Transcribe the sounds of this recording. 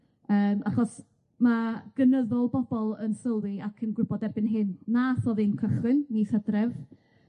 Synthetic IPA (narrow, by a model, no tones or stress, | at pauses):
əːmaχɔs | maɡ̥ənəðɔlˠbɔbɔlˠənsəwðiakʰənɡrʊbɔdɛbɪnɦɨnːaθɔðɨnkʰəχɨnːiθədrɛv